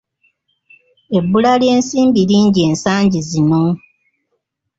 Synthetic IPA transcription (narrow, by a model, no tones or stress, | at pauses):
e̞bːulalje̞ːnsiːmbiɾiːɲɟieːnsaːɲɟizino